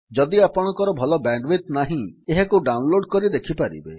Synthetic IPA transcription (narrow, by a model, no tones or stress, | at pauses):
d͡ʒɔd̪iapɔɽ̃ɔkɔɾɔbʱɔlɔbaɳɖbit̪naɦĩeɦekuɖawnloɖkɔɾid̪ekʰipaɾḭbḛ